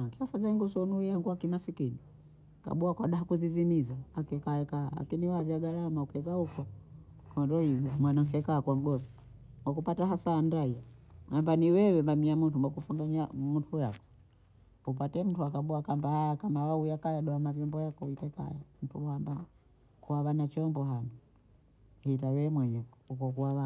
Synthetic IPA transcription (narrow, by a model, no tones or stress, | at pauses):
kiɔfazaŋɡusɔnuiaŋɡuakimasikini | ka̰ɓuakwaɗaɦakuzizimizaakɛkaɛkaːla̰kiniwavjaɡaɾamaukɛzahukɔ | kɔndɔhivamwanaŋkɛkaːkwaŋɡɔvi | mwak̬upataɦasaːndaiahambaniwɛwɛmbamiamuntumwakufuŋɡaɲamuntujakɔ | upatɛm̩tuakaɓɔakambahajakamawaujakajaɗɔamavjɔmbɔjakɔitɛka̰jam̩tuamba | kuaβanat͡ʃɔmbɔɦanɔ | hit̬awɛːmwɛɲɛkɔukɔkuaβa